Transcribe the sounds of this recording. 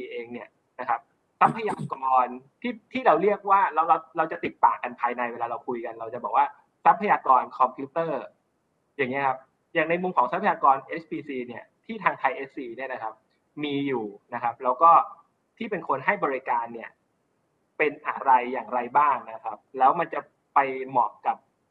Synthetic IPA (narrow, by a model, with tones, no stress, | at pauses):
iː˧ʔeː˧ŋni˥˩ɐ | na˦˥kʰa˦˥p̚ | sa˦˥pʰːa˧jaː˧su˨˩ka˧mɔː˧nt̪ʰiː˥˩t̪ʰiː˥˩ɾa˧wɾi˥˩ək̚waː˥˩ɾa˧wɾa˧wɾa˧wt͡ɕa˨˩t̪i˨˩t̪̚ːaː˨˩kːa˧npʰaː˧jna˧jweː˧laː˧ɾa˧wkʰu˧jka˧nɾa˧wt͡ɕa˨˩bɔː˨˩k̚waː˥˩ | sa˦˥pʰːa˧jaː˧kɔː˧nkʰɔ˧mpʰjuː˦˥t̪ɤː˥˩ | jaː˨˩ŋːi˦˥ɐkʰa˦˥p̚ | jaː˨˩ŋna˧jmu˧mkʰɔː˩˦ŋsa˦˥pʰa˧jaː˧kɔː˧nʔe˦˥s̚piː˧siː˧ni˥˩ɐt̪ʰiː˥˩t̪ʰaː˧ŋt̪ʰa˧jʔe˦˥ssiː˧ni˥˩la˦˩kʰa˦˥p̚ | miː˧juː˨˩na˦˥kʰa˦˥p̚lɛː˦˥wkɔː˥˩ | t̪ʰiː˥˩pe˧nkʰo˧nɦa˥˩jbɔː˧ɾi˧˥kaː˧nːi˥˩ɐ | pe˧nʔa˨˧˩ɾa˧jːaː˨˩ŋɾa˧jbaː˥˩ŋna˦˥kʰa˦˥p̚lɛː˦˥wma˧nt͡ɕa˨˩ | pa˧jmɔː˨˩k̚ka˨˩p̚